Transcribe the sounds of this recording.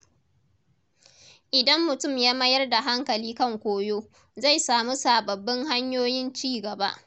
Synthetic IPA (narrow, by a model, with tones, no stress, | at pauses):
ʔɪ˨dɐ˦mːʊ˨tʊ˦˨mjaː˦mɐ˦jɐ˦rda˨ɦa˦ŋkɐ˨liː˦kɐ˦˨ŋkʷoː˦joː˦ | za˦˨jsaː˨mu˦saː˨bɐ˨bːɪ˦ŋɦa˦ɲjoː˦jɪ˦nt͡ʃiː˦˨ɡɐ˨ba̰˦ʔ